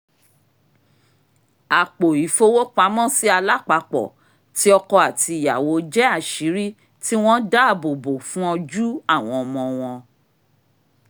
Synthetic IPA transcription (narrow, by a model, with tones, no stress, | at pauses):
a˨k͡po˨i˨˦fo˧wo˦k͡pa˨˦mɔ̃˦˨si˦a˧la˦k͡pa˧k͡pɔ̰˨ | ti˦ɔ˧kɔ˧a˨ti˧i˨ja̰˨wo˨˦d͡ʒɛ˦a˦˨ʃi˨˦ɾi˦ | ti˦w̃ɔ̃˦da˦a˦˨bo˨bo˨fũ˦ɔ˧d͡ʒu˦a˦˨w̃ɔ̃˧ɔ˧mɔ̃˧w̃ɔ̃˧